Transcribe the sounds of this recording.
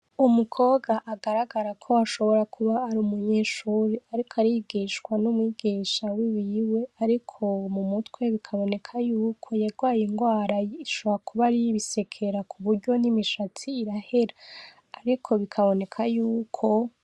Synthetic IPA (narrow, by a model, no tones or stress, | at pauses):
umukʰo̞ːɡaʔaɡaɾaɡaɾakʰo̞aʃo̞βo̞ɾakʰuβaːɾuːmuɲeːʃuːɾiaɾikʰaɾiɡiːʃkwanumŋiːɡ̥iːʃawiβiwe̞aɾikʰo̞mumutwe̞βikʰaβo̞ne̞kʰajuːkʰo̞jaɡwaːjiŋɡwaːɾajiʃo̞βoɾakʰuβaɾijiβise̞kʰe̞ɾakʰuβuɾɟo̞nimiʃatʰiːɾahe̞ɾaː | ɾikʰo̞βikʰaβo̞ne̞kʰajuːkʰo̞